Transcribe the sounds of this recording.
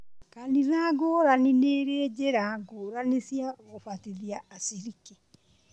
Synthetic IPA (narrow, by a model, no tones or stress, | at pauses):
kaniðaɡoɾanineɾed͡ʒeɾaɡoːɾanesjaɣofatiðiaasiɾike